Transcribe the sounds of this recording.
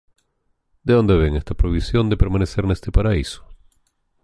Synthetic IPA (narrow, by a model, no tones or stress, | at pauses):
d̪eo̞nd̪e̞βe̞ŋest̪apɾoβ̞isjo̞nd̪e̞pe̞ɾmanese̞ɾnest̪e̞paɾaiso̥